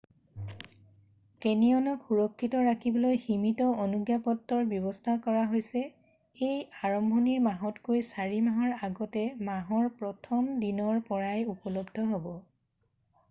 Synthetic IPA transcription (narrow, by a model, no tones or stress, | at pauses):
kɛniɔnɔkxuɹɔkʰːitɔɹakʰibɔlojximitɔonuɡjapɔtːɔɹbjɔβɔstʰakɔɹaɦojsɛ | ejaɹɔmbʱɔniɹmaɦɔtkojsaɹimaɦɔɹaɡɔtɛmaɦɔɹpɹɔtʰɔmdinɔɹpɔɹajupɔlɔbdʱɔɦobɔ